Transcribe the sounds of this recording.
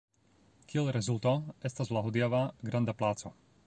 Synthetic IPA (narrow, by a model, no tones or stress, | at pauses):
kiɛlɾɛzult̪oest̪azlaɦod̪ijavaɡɾand̪aplaːt͡so